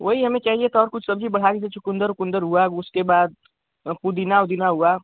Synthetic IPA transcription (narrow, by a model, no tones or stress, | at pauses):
ʋoɦiɦɐmẽt͡ʃaːɦiet̪ɔːɾkʊt͡ʃʰsɐbd͡ʒʱibɐɽ̤akis̬et͡ʃʊkʊ̃nd̪əɾʊkʊ̃nd̪əɾɦuaʊskebaːd̪̚ | pud̪ɪnaʊd̪ɪnaɦua